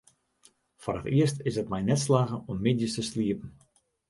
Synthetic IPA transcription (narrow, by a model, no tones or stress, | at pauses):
forətiəstɪsətmɛjnɛtslaːɣəɔmːɪdjəstəsliəpən̩